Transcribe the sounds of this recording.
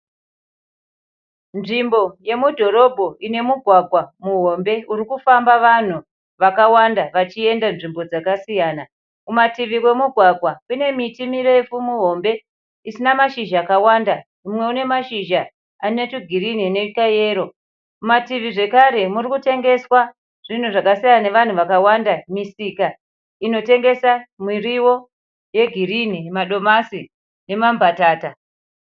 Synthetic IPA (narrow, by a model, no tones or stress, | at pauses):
nʐimbo̞je̞mudʱo̞ɾo̞bʱo̞ine̞muɡʱwaɡʱwamuɦo̞mbe̞uɾikufambaʋan̤u | ʋakawandaʋat͡ʃie̞ndanʐimbo̞d͡zakasijaːna | umatiʋiwe̞muɡʱwaɡʱwakune̞mitimire̞efumuɦo̞mbe̞ | isinamaʃiʒaːkawanda | umwe̞une̞maʃiʒa | anetuɡʱirin̤ine̞kaje̞ːɾo̞ | umatiʋiʐe̞kaɾe̞murikute̞ŋɡe̞swa | ʐ̥in̤uʐakasajane̞ʋan̤uʋakawandamisika | ino̞te̞ŋɡe̞samiriwo | je̞ɡʱiɾinimaɗo̞masi | ne̞mambʱataːta